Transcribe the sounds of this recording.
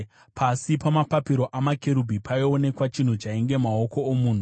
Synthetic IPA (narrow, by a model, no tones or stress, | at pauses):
pʰasipamapapiɾo̞ʔamake̞ɾubʱipaione̞kwat͡ʃin̤ut͡ʃaiŋɡe̞mao̞ko̞ːmuːn̤u